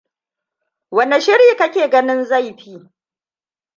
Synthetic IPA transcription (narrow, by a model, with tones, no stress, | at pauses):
wɐ˦ne˨ʃɪ˦ɾiː˨kɐ˦kʲeː˨ɡɐ˦nɪ˦nza˦˨jɸiː˦